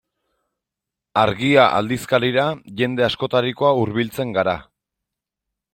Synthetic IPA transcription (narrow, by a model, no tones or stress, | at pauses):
aɾɣiaʔa̰ld̪iskaɾiɾaʝe̞nd̪e̞asko̞t̪aɾiko̞auɾβilt͡se̞ŋɡaɾa